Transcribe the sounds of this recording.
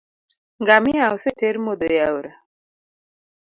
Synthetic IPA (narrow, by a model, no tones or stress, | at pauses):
ŋɡamɪaoseteɾmod̪ojawɾa